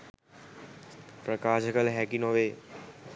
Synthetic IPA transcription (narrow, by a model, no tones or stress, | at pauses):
pɾəkaːʃəkəlɦɛːkinoːʋeː